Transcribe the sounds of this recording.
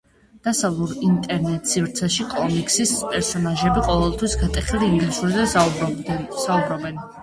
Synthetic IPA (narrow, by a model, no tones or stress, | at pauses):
d̪̥asavlˠuɾint̪ʼɛɾnɛt̪ʼsivɾt̪sʰɛʃikʼɔmikʼsispʼɛɾsɔnaʒɛbiqʼɔvɛlˠt̪ʰwisɡat̪ʼɛχiliːŋɡlisuɾzɛ | saubɾɔbɛn